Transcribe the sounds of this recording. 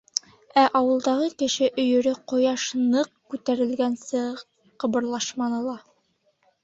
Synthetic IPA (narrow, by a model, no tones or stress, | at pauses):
æʔɑwɤ̆lˠd̪ɑʁɤkɘ̆ʃɘʔɵ̆jɵ̆ɾɘqŏjɑʃnɤqkʉt̪æɾɘ̆lɡænsɘ | qɤ̆βɤ̆ɾlˠɑʃmɑnɤ̆lˠɑ